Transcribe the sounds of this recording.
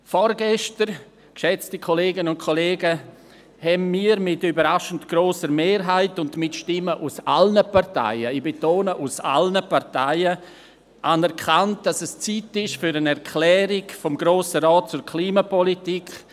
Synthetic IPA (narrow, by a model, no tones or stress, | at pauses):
fɔɾɡɛʃtəɾ | kʃɛt͡stikʰoleːɡənəʊntkʰoleːɡə | hɛmmiːəɾmɪtybəɾaʃən̩tɡ̥ɾoːsəɾmeːɾɦaɪtʊndmɪtʃtɪməʔusa̰lnəparta̰ɪəɪbetoːnəʔusa̰lnəpaɾtaɪə | ʔanɛɾkʰant̚d̥asɛst͡sitɪʃfyɾənɛɾkʰlɛːɾɪɡfɔmɡɾoːsəɾɑːt̚t͡sʊɾkʰliːmapɔlitik